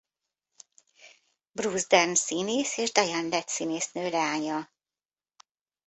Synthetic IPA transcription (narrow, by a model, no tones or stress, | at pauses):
bruzd̪ɛrnsineːseːʒd̪ɒjanlɛt̪sineːsnøːlɛaːɲɒ